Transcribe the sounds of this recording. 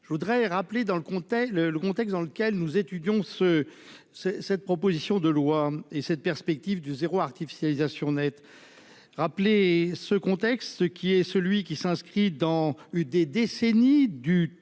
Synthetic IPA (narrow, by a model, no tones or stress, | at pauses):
ʒəvud̪ʁɛʁapled̪ɑ̃ləkɔ̃t̪ɛlələkɔ̃t̪ɛks̬d̪ɑ̃ləkʲɛlnuzet̪yd̪jɔ̃sə | sɛsɛt̪̚pχɔpozisjɔ̃d̪əlwaesɛt̪̚pɛʁspɛk̚t̪ivd̪əzeʁoaʁt̪ifi̥sjalizasjɔ̃nɛt̪ | ʁaplesəkɔ̃t̪ɛkst̪səkʲiɛsəlɥikʲisɛ̃skχid̪ɑ̃yd̪ed̪esenid̪y